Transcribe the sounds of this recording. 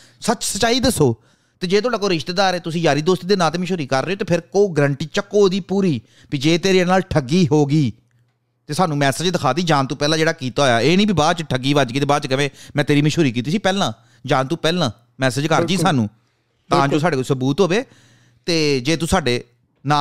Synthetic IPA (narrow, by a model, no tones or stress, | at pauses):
sət͡ʃsət͡ʃaːiːd̪əsoː | t̪eːd͡ʒeːt̪ʊaːɖaːkoːɾɪʃt̪eːd̪aːɾeːt̪ʊsĩːd͡ʒaːɾiːd̪oːst̪iːd̪eːnãːt̪eːmɪ̃ʃoːɾiːkəɾːəːoːt̪eːpʰɪɾkoːɡəɾəɳʈiːt͡ʃəkːoːd̪iːpuːɾiː | piːd͡ʒeːt̪eːɾiːnaːlʈʰəɡːiːɦoːɡiː | t̪eːsaːnũːmɛːsəd͡ʒd̪əkʰaːd̪iːd͡ʒaːnt̪ũːpɛːlãːd͡ʒeːɽaːkiːt̪aːojaːeːnĩːbiːbaːt͡ʃʈʰəɡiːʋəd͡ʒɡiːt̪eːbaːd̪t͡ʃkɪʋẽːmɛ̃ːt̪eːɾiːmɪ̃ʃʰoːɾiːkiːt̪iːsiːpɛːlãː | d͡ʒãːnt̪uːpɛːlãː | mɛːsəd͡ʒkəɾd͡ʒiːsaːnũː | t̪ãːt͡ʃõːsaːɖeːkosəbuːt̪ɦoːʋeː | t̪eːd͡ʒeːt̪ũːsaːɖeː | naː